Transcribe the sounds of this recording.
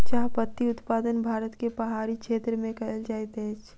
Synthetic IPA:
t͡ʃaːɦpət̪ːiʊt̪paːd̪ənbʱaːɾət̪kepəɦaːɾikʃʰeːt̪ɾəmẽkɐɦəld͡ʒaːjt̪ɛ̃t͡ʃʰ

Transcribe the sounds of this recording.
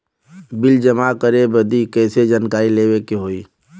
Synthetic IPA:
bɪld͡ʒəmakəɾebəd̪ikɛːsed͡ʒənkaːileːwekeɦoːiː

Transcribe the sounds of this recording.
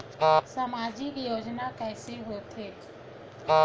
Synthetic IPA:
səmaːd͡ʒikjoːd͡ʒnakɛːseɦot̪ʰeː

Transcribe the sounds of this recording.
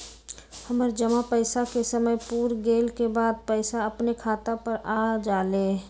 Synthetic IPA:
həməɾd͡ʒəmapəɪsakesəməjpuːɾɡeːlkebaːd̪̚pɛɪsaəpnekʰaːt̪apəɾaːd͡ʒaːleː

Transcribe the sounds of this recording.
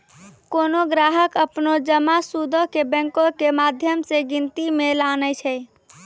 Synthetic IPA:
konoɡɾaɦəkəpnod͡ʒəmasud̪ʱəkebɛ̃ŋkokemad̪ʱjəmseɡint̪imelanət͡ʃʰɛj

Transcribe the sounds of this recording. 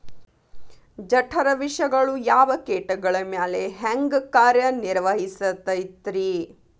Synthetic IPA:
d͡ʒɐʈʰɐɾɐʋiʂɐɡɐɭujaːʋɐkeːʈɐɡɐɭɐmjaːleɦɐŋɡkaːɾjɐniɾʋɐɦisɐt̪ɐjt̪ɾi

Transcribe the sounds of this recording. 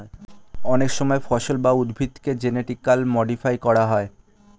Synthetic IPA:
ɔnekʃɔmɔefɔʃolbaud̪bʱit̪ked͡ʑeneʈikːalmɔɖifajkɔɽaɦɔe

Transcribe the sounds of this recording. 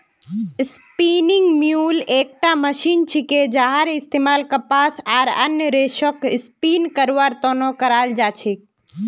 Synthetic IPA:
spiːniŋɡmjuːleːk̚ʈaməʃiːnt͡ʃʰiked͡ʒaːɦaɾɪst̪emaːlkɐpaːsaːɾə̰njəɾeːʃokɪspiːnkəɾʋaːɾt̪oːnokəɾaːld͡ʒaːt͡ʃʰik̚

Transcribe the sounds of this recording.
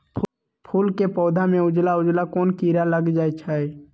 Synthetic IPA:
pʰuːlkepɔːd̪ʱamẽʊd͡ʒlaʊd͡ʒlakɔːnkiːɾaləɡd͡ʒaːɛt͡ʃʰaɛ

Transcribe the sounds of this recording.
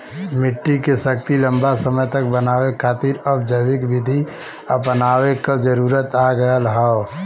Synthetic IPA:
mɪʈːikesəkt̪ilə̃mbasəməjt̪ək̚bənaːwekʰaːt̪iːɾɔbd͡ʒəʋɪkʋɪd̪ʱi | əpnaːwekad͡ʒəɾuːɾət̪aːɡəəlɦao

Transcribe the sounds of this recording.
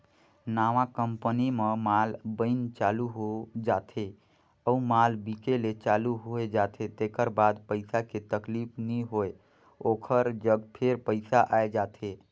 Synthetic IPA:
naʋãkəmpənimemalbəɪnt͡ʃaluɦod͡ʒat̪ʰe | əumalbikelet͡ʃaluɦoed͡ʒat̪ʰet̪ekəɾbad̪pəɪsaket̪əklipʰniɦoe | okʰəɾd͡ʒəɡpʰeɾpəɪsaʔaed͡ʒat̪ʰe

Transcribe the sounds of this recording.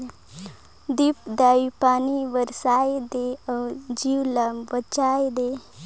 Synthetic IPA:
d̪ipd̪aːipaniʋəɾsaed̪eəd͡ʒiwlambət͡ʃaːjd̪e

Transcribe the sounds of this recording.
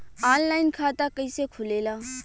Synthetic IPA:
aːnlaːɪnkʰaːt̪aːkəisekʰʊleːlaː

